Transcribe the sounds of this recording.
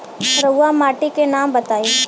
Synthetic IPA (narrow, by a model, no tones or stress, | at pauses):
ɾəʊamaːʈikenaːmbət̪aːiː